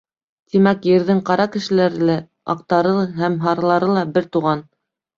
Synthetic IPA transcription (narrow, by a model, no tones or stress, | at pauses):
t̪imækjɘ̆ɾðɘŋqɑɾɑkɘ̆ʃɘ̆læɾɘlæ | ɑ̰q̚t̪ɑɾɤɦæmɦɑɾɑlˠɑɾɤlˠɑbɘɾt̪uʁɑn